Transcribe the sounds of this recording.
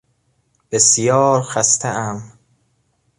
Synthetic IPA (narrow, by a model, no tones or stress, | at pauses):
b̥esjɒːɾxæst̪ʰeʔæm